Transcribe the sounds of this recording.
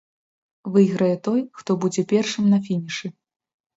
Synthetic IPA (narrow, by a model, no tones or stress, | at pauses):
vɨjɣɾɐjɛt̪ɔjxt̪ɔbud͡zʲɛpʲɛrʂɨmnɐfʲinʲiʂɨ